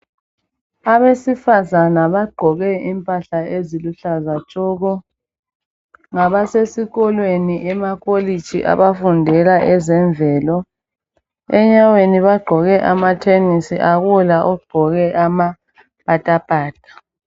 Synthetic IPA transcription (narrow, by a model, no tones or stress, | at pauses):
aβesifazanaβaɡ͡ǃʱɔɣɛimpʼaɬaeziluɬazat͡ʃʼɔɣɔ | ŋaβasesiɣɔlweniʔɛmaɣʼoli̥t͡ʃʰʼḭʔa̰βafundʱɛlaʔɛzɛɱbvʱɛːlɔ | ɛɲaweniβaɡ͡ǃʱɔɣɛʔamatʰenisiʔaɣulaʔɔɡ͡ǃʱɔɣɛʔama | pʼatʼapʼaːtʼḁ